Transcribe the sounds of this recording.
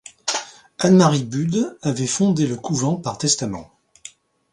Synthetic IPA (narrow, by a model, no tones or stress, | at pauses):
anmaʁibyd̪avɛfɔ̃d̪eləkuvɑ̃paʁt̪ɛst̪amɑ̰̃